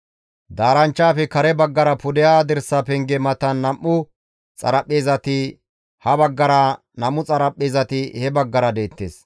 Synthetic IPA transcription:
d̪aːɾɐnt͡ʃːaːfɛkɐɾɛbɐɡːɐɾɐpʊd̪ɛjaːd̪ɛɾsːɐpɛŋɡɛmɐt̪ɐnːɐmʔːʊ | t͡sʼɐ̰ɾɐpʼːeːzɐt̪ɪ | hɐbɐɡːɐɾɐ | nɐmʊt͡sʼɐɾɐpʼːeːzɐt̪ɪhɛbɐɡːɐɾɐd̪e̞ːt̪ːḛːs

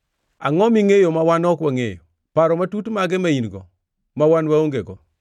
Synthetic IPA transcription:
a̰ŋɔmiŋejomawanɔkwaŋejo̰ | paɾɔmatutmaɡɛmainɡɔ̰ | mawanwaoŋɡeɡɔ

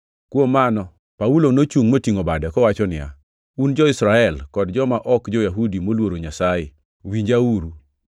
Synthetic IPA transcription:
kwomːanɔ | paulonot͡ʃuŋmotiŋobadɛkɔwat͡ʃɔnɪja̰ | und͡ʒɔɪsɾaɛlkɔdd͡ʒɔmaʔɔkd͡ʒɔjaɦudimolwoɾoɲasajɪ | wiɲd͡ʒawuɾu

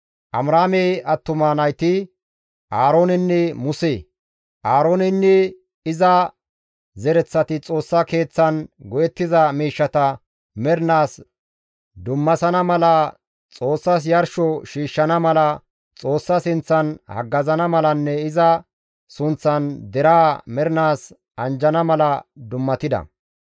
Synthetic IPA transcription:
ʔɐmɾaːmejʔɐt̪ːʊmanɐjt̪ɪ | ʔaːɾoːnɪnːɛmʊseː | ʔaːɾoːnɪnːɛ | ɪzɐ | zɛɾɛt͡sːɐt̪ɪt͡sʼo̞ːsːɐke̞ːt͡sːɐnɡɔjɛt̪ːɪzɐmiːʃːɐt̪ɐ | mɛɾnaːs | d̪ʊmːɐsɐnɐmɐlɐ | t͡sʼo̞ːsːɐs̬jɐɾʃɔʃiːʃːɐnɐmɐlɐ | t͡sʼo̞ːsːɐsɪnt͡sːɐnhɐ̰ɡːɐzɐnɐmɐlɐnːɛɪzɐ | sʊnt͡sːɐnd̪ɛɾaːmɛɾnaːs | ɐnd͡ʒɐnɐmɐlɐd̪ʊmːɐt̪ɪd̪ɐ̰

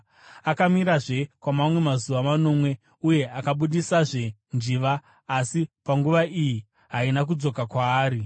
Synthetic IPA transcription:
akamiɾaʐe̞kwamamwe̞mazuʋamano̞ːmwe̞ | uje̞ʔakaɓuɗisaʐe̞nd͡ʒiʋaː | sipaŋɡuʋaiji | ɦainak̬ud͡zo̞kakwaːɾi

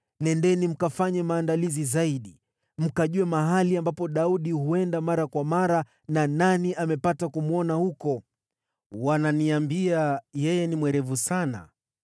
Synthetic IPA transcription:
nɛndɛnim̩kafaɲɛmaːndalizizaiɗi | m̩kaʄuɛmaɦaliambapɔɗauɗihuɛndamaɾakwamaɾa | nananiʔamɛpatakumuɔnahukɔ | wananiambiajɛjɛnimwɛɾɛvusana̰

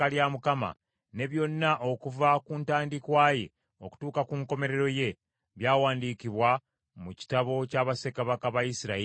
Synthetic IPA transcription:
aljamukama̰ | ne̞βjo̞nːaʔo̞kuvakuːntaːndikwaːje̞̰ | o̞ku̥tuːkakuŋko̞me̞ɾe̞ɾo̞je̞ | βjaːwaːndikiβwa | muci̥taβo̞caːβase̞kaβakaβajisiɾai

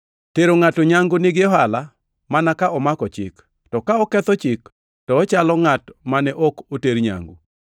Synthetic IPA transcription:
teɾoŋatoɲaŋɡʊnɪɡɪɔɦala | manakaʔɔmakɔt͡ʃɪ̰k | tɔkaɔkɛt̪ɔt͡ʃɪk | tɔːt͡ʃalɔŋatmanɛʔɔkoteɾɲa̰ŋɡṵ

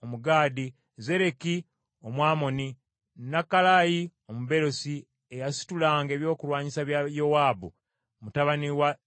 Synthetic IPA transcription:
omuɡaːdi | ze̞ɾe̞ki | omwaːmo̞ni | nakːalaːji | o̞muβe̞ɾo̞si | ejasi̥tulaːŋɡe̞ːβjo̞ːkulwaːɲisaβjajo̞waːbu | mutaβaniwa

